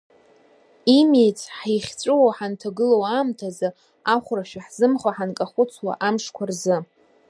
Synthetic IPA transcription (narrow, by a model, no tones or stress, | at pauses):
imejt͡sʰʼħiχʲt͡sʷʼɨwawħantʰaɡɨlowamtʰaza | aχʷraʃᶣaħz̥ɨmχaħankʼaχʷʊt͡sʰwa̰ʔamʂkʷʰarzɨ